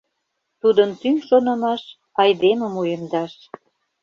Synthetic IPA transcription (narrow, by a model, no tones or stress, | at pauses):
t̪ud̪ənt̪yŋʃonɤ̆mɑʃ | ɑjd̪eməmujəmd̪ɑʃ